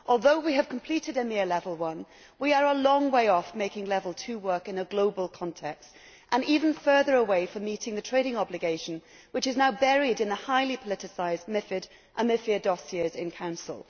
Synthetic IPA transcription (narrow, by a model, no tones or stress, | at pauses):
ʔɔlˠðoʊwiɨv̥kʰm̩pʰl̥iɾɨɾɨmɪɹlɛvəl̩ˠwʌ̃n | wiə˞əlɔ̃ŋweɪɔfmeɪkɪ̃ŋlɛvl̩ˠtʰʉwɜ˞kɨ̃nəɡloʊbəl̩ˠkʰɑ̃ntʰɛkst | ʔə̃nivɨ̃n̩fɜ˞ðə˞əweɪfə̃miɾɪ̃ŋðɨtʰɹ̥eɪɾɪ̃ŋɑblɨɡeɪʃɨ̃n̩ | wɨt͡ʃɨznaʊbɛɹiɾɨ̃nðəhaɪlˠipʰəlɪɾɨsaɪz̚mɪfɨɾ | ʔə̃nmɪfiɨdɔsiezɪ̃nkʰãʊ̃nsə̰l̩ˠ